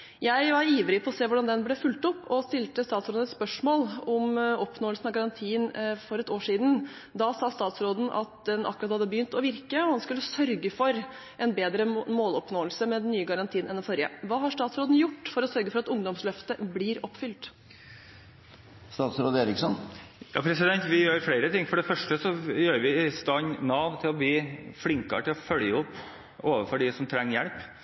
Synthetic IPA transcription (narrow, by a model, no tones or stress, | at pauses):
jæɪʋɑɾiːʋɾɪpʰɔːseːʋʊɖɑnd̪ɛnblɛfʉlt̪ɔpːɔst̪ɪlt̪əst̪ɑːt̪sɾoːd̪ɛt̪spœʂmoːlɔmɔpnoːəlsn̩ɑʋɡɑɾɑnt̪ʰiːənfɔɾɛt̪oːʂiːd̪n̩ | d̪ɑsɑst̪ɑːt̪sɾoːd̪n̩ʔɑ̰t̪̚d̪ɛnʔɑ̰kːʉɾɑt̪hɑd̪ːəbəjʏnt̪ɔʋɪɾkəɔhɑnskʉlːəsœɾɡəfɔɾ | ʔɛnbeːd̪ɾəmoːlɔpnoːəlsəmɛd̪nːyːəɡɑɾɑnt̪ʰiːnɛ̰nɪfɔɾjə̰ʋɑːɦɑʂtɑːt̪sɾoːd̪n̩jʊʈːfɔɾɔsœɾɡəfɔɾɑt̪ʊŋd̪ɔmslœft̪əblɪɾɔpːfʏlt̪ | st̪ɑːt̪sɾoːd̪əeːɾɪksɔnjɑ̰ːpʰɾɛsɪd̪ɛnt̪ʋɪjøːɾfleɪɾət̪ɪŋːfɔɖɛfœʂʈəsɔjøːɾʋɪst̪ɑnnɑːʋt̪ʰɪlɔbliːflɪŋkɑ̰ɾəʈ̪ɪlɔfœljəɔpː | oːʋəfɔɖɪsɔmt̪ʰɾɛŋːjɛlp